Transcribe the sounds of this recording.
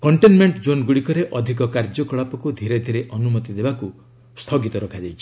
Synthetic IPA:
kɔɳʈenmeɳʈd͡ʒonɡuɽikɔɾeʔɔd̪ʱikɔkaɾd͡ʒɔkɔɭapɔkud̪ʱiɾed̪ʱiɾeʔɔnumɔt̪id̪ebaku | st̪ʰɔɡit̪ɔɾɔkʰad͡ʒajt͡ʃʰi̥

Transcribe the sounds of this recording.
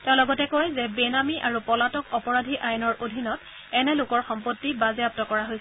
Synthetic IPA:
tɛʊ̃lɔɡɔtɛkɔjzɛbenamiʔaɹupɔlatɔkɔpɔɹadʱiʔajnɔɹʔodʱinɔt | ɛnɛlʊkɔɹxɔmpotːibazɛap̚tɔkɔɹaɦojsɛ

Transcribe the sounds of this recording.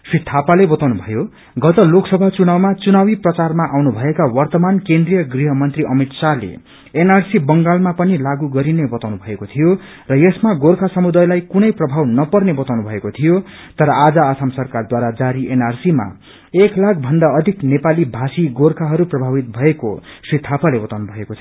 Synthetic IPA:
srit̪ʰapalebʌt̪awnubʱʌjo | ɡʌt̪ʌloksʌbʱat͡sunawmat͡sunawiprʌt͡sarmaʔawnubʱʌekawʌrt̪ʌmankend̪rijʌɡriɦʌmʌnt̪riʔʌmit̪salḛ | enarsibʌŋɡalmapʌnilaɡuɡʌɾinebʌt̪awnubʱʌekot̪ʰijo | rʌjesmaɡorkʰasʌmud̪ajlajkunʌjprʌbʱawnʌpʌrnebʌt̪awnubʱʌekot̪ʰijo | t̪ʌɾʌad͡zʌːsʰamsʌrkard̪waɾad͡zaɾiʔenarsima̰ | eklakʰbʱʌnd̪aʌd̪ʱiknepalibʱasiɡorkʰaɦʌɾuprʌbʱabit̪̚bʱʌeko̰sit̪ʰːapalebʌt̪awnubʱʌeko

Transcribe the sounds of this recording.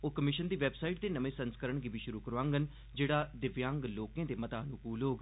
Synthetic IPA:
oːkəmɪʃənd̪iːʋɛːbsaːiʈ̚d̪eːnəmẽːsənskəɾəɳɡɪbiːʃʊɾuːkəɾʋãːŋɡən | d͡ʒeːɽaːd̪ɪʋjãːŋɡloːkẽːd̪eːmət̪aːnũːkuːlɦoːɡ

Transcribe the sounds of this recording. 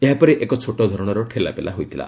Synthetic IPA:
eɦapɔɾeʔekɔt͡ʃʰoʈɔd̪ʱɔɾɔɽ̃ɔɾɔʈʰela̰pela̰ɦojt̪ʰila̰

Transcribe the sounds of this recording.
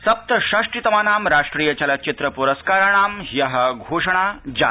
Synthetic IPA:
sɐp̚t̪əʃaʂʈɾit̪əmanamɾaʂʈɾiːjət͡ɕalat͡ɕit̪ɾəpuɾəskaɾaɽ̃aːmjaɦəɡʱoʂəɽ̃ad͡ʑa̰

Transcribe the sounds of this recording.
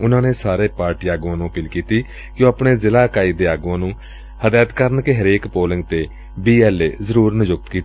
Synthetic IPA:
ʊnãːneːsaːɾeːpaːɾʈiːaːɡuːãːnũːəpiːlkiːt̪iː | kjõːaːpɳeːzɪlaːkaːiːd̪eːaːɡuːãːnũː | həd̪aːt̪kəɾnkeɦəɾeːkpoːlɪŋɡt̪eː | biːɛːleːzəɾuːɾnɪd͡ʒʊkt̪kiːt̪

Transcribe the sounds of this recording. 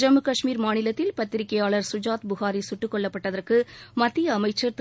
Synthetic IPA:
d͡ʒɐmɯkɐʂmiːɾmaːnɪlɐt̪ːɪlpɐt̪ːɪɾɪkːɐjaːɭɐɾsʊd͡ʒaːt̪bʊxaːɾisʊʈːɯkːɔɭːɐpːɐʈːɐðɐrkɯmɐt̪ːɪjɐːmɐɪt͡ʃːɐɾt̪

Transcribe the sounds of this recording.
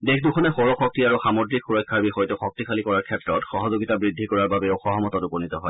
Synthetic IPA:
dekʰdukʰɔnɛxoɹɔxɔk̚tiaɹuxamodɹikxuɹɔjkʰːaɹbixɔjtuxɔk̚tikʰalikɔɹaɹkʰɛtɹɔtxɔɦɔzoɡitabɹid̪ʱːikɔɹaɹbabɛoxɔɦɔmɔtɔtupɔnit̪ɔɦɔj

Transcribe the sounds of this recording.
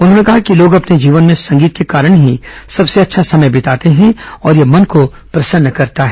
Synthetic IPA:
ʊnɦõːnekɐɦakiloːɡɐpned͡ʒiːʋənmẽsɐ̃ŋɡiːt̪̚kekaːɾəɽ̃ɦisɐbseɐtːʃʰasɐməjbɪt̪aːt̪eɦɛ̃ɔːɾjemɐnko | pɾɐsənːəkɐɾt̪aɦɛː

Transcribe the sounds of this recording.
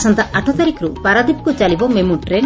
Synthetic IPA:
sɔnt̪aʔaʈʰɔt̪aɾikɾupaɾad̪ipkut͡ʃalibɔmemuʈɾe

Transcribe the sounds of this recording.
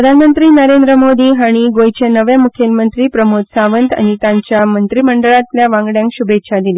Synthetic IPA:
ɾəd̪ʱanmənt̪ɾiːnəɾend̪ɾəmod̪iːɦaɽ̃iɡojt͡ɕenəʋemukʰjəlmənt̪ɾiːpɾəmot̪saʋənt̪a̰ɽ̃it̪jaɲt͡ɕjamənt̪ɾiːməɳɖəɭat̪ljaʋãŋɡɽjãŋkɕubʱetːɕʰad̪iliː

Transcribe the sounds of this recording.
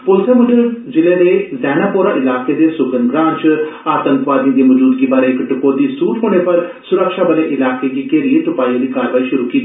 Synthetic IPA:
pʊlsẽːmʊʈd͡ʒɪlẽːleːzɛːnaːpoːɾãːʔɪlaːkeːd̪eːsʊɡənɡɾãːnt͡ʃaːt̪ə̃ŋkʋaːd̪ĩjãːd̪iːməd͡ʒuːd̪ɡiːbaːɾeːɪkʈʊkːoːd̪iːsuːʈɦoːɽ̃eːpəɾsʊɾəkʃaːbəlẽːʔɪlaːkeːɡiːkeːɾiːəʈʊpaːiãd̪iːkaːɾʋaːiːʃʊɾuːkiːt̪i

